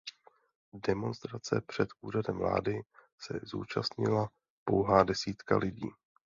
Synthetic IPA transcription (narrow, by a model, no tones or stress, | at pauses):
dɛmo̞nst̪ɾat͡sɛ̰pr̝̥ɛt̪ʔuːɾadɛmvla̰ːdɪ | sɛ̰zṵːt͡ʃast̪ɲɪla | po̞wɦaːdɛsiːt̪ka̰lʔɪɟiː